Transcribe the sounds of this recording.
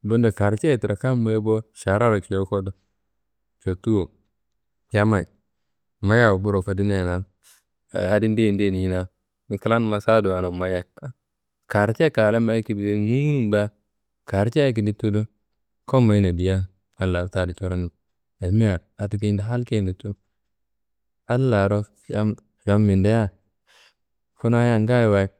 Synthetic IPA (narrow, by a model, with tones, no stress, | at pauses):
bo˦nda˨ka˨ɾt͡ʃe˦˨ti˨ɾa˨ka˦m˦ba˦bo˦ʃa˨ɾa˦ɾa˨ki˨le˦ko˦do˦ | t͡ʃo˨tu˦o˨ | ja˦ma˨j | ma˦ja˦˨wbu˦ɾo˨fa˨di˦ne˦˨na˨ | a˦di˦ndi˦˨nde˦˨n˨i˦na˦ | mi˨ki˦la˦n˦ma˨sa˦du˨a˨no˨ma˨ja˨a˦ | ka˨ɾt͡ʃe˦ka˨le˦ma˦ki˨bi˨˦ŋi˦u˦mba˦ | ka˨ɾt͡ʃːki˨di˦tːu˦du˦ | ko˦ma˨i˦na˨bi˨ja˦ | a˨˦lːa˨ɾta˦˨di˨t͡ʃo˦ɾa˦ni˦ | a˨˦mi˦ja˨ɾa˨tu˦k̬i˦nda˨ɦa˦lke˦ndi˨tu˦ | a˦lːa˨ɾo˦ | ja˦m | ja˦mːi˨nde˦ja˦ | ku˦na˦ja˨ŋɡa˦jwa˨˦